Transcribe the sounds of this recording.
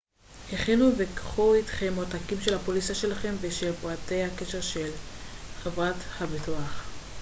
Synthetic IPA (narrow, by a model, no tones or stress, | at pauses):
heχinuvekχuitχemotakimʃelhapolisaʃe̞laχe̞mveʃevuate̞jhakeʃeʁʃelχavʁathabituaχ